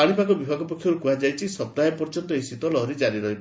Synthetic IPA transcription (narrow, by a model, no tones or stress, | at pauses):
aɽ̃ipakɔbibʱaɡɔpɔkʰjɔɾukuɦad͡ʒajt͡ʃʰisɔb̚d̪aɦjepɔɾd͡ʒɔnt̪ɔist̪it̪ɔlɔɦɾid͡ʒaɾiɾɔɦib